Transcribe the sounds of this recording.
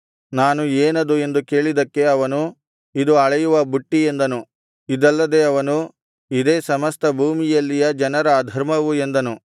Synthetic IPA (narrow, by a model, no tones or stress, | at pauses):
naːnueːnɐd̪ue̞nd̪uke̞ːɭid̪ɐkːe̞ɐʋɐnu | id̪uɐɭɐjuʋɐbuʈːie̞nd̪ɐnu | id̪ɐlːɐd̪e̞ːɐʋɐnu | id̪eːsɐmɐst̪ɐbʱuːmijɐlːijɐd͡ʒɐnɐɾɐːd̪ʱɐɾmɐʋue̞nd̪ɐnu